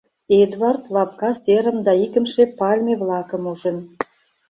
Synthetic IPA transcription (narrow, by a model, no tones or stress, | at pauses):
ed̪vɑrt̪lɑpkɑseɾə̆md̪ɑikə̆mʃepɑlʲmʲeβlɑkə̆muʒĕn